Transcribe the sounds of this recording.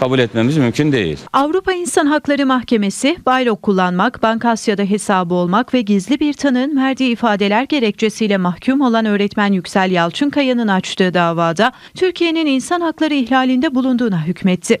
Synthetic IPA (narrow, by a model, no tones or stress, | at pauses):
kʰabulʲɛt̪memizmymcʰynd̪e̞̰jḭlʲavɾupainsanɦaklˠaɾɯmaxce̞me̞sɪb̥ajlˠo̞kʰːulˠːanmakbankasjad̪aɦe̞saːbɯo̞lˠmakvɛɟizlʲibiɾt̪ʰanɯnmæɾd̪iːifaːd̪e̞lʲæɾɟe̞ɾɛc̚t͡ʃʰe̞sijlʲɛmahcʰumo̞lˠanø̞ːɾɛt̪mænjycsælʲjalˠt͡ʃʰɯnkʰajɯnɯnat͡ʃt̪ʰɯːd̪aːvaːd̪a | t̪ʰyɾcʰije̞nininsanɦaklˠaɾɯiçlʲaːlʲind̪ɛbulˠund̪uːnaɦycʰmɛt̪ʰːɪ